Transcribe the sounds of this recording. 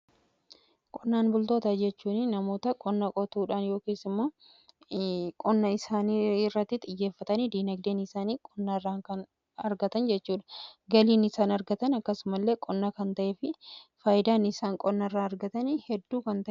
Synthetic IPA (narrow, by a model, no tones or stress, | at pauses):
kʼɔnːaːnbʊlt̪o̞ːt̪ɐd͡ʒɛt͡ʃːuːnɪnɐmo̞ːt̪ɐkʼɔnːɐkʼɔt̪uːᶑaːnjo̞ːkeːsɪmːoː | kʼɔnːɐɪsaːnirːɐt̪ːɪt̪ʼɪjːe̞ːfːɐt̪ɐnid̪iːnɐɡd̪eːnɪsaːniːkʼɔnːɐrːaːŋkɐn | ɐɾɡɐt̪ɐnd͡ʒɛt͡ʃːuːᶑɐ̥ɡɐliːnɪsaːnɐɾɡɐt̪ɐnɐkːɐsʊmɐlːe̞ːkʼɔnːɐkɐnt̪ɐʔeːfɪfaːjɪd̪aːnɪsaːŋkʼɔnːɐrːaːɐɾɡɐt̪ɐnhɛd̪ːuːkɐnt̪ɐʔ